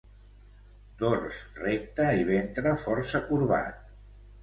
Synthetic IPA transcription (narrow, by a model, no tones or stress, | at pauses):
d̪̥orsrek̚t̪əiβent̪ɾəfɔɾsəkuɾβa̰t̪̚